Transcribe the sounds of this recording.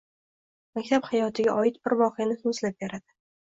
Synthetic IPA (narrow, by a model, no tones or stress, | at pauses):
makʲt̪ʰaphajɒt̪ʰɪɡʲaʔɒɪt̪̚bɪɾbɒqɨjanɪh̪ʊslap̚beɾad̪̥ɪ